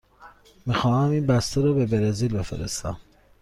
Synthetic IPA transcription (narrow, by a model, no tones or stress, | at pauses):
mixɒːhæmiːnbæst̪ʰeɾɒːbe̞beɾezilbe̞fḛɾḛst̪æ̰m